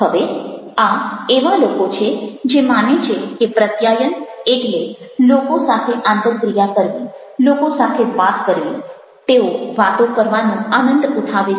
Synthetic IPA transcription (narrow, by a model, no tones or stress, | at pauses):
ɦəʋeaeʋalokot͡ʃʰed͡ʒemanet͡ʃʰekepɾət̪jajəneʈlelokosat̪ʰeʔãnt̪əkɾijakəɾʋi | lokosat̪ʰeʋat̪kəɾʋi | t̪eoʋat̪õkəɾʋanũanənd̪ut̪ʰaʋe